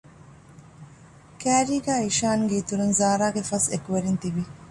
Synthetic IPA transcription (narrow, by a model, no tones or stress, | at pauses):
kæːɾiːɡæːiʃaːŋɡeit̪uɾunzaːɾaːɡefɐsekuʋeɾint̪iʋi